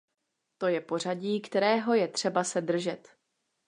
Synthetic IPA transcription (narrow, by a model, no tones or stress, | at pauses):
t̪o̞jɛpo̞r̝aɟiːkt̪ɛɾɛːɦo̞jɛt̪r̝̥ɛbasɛd̪r̩ʒɛt̪